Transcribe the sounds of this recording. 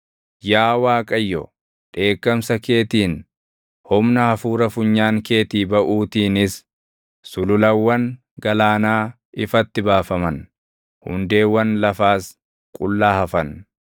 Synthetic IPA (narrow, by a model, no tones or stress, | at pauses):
jaːwaːkʼɐjːɔ | ᶑe̞ːkːɐmsɐke̞ːt̪iːn | hɔmnɐhɐfuːɾɐfʊɲːaːŋke̞ːt̪iːbɐʔuːt̪iːnɪs | sʊlʊlɐwːɐŋ | ɡɐlaːnaː | ɪfɐt̪ːɪbaːfɐmɐn | hʊ̰nd̪e̞ːwːɐnlɐfaːs | kʼʊlːaːhɐfɐn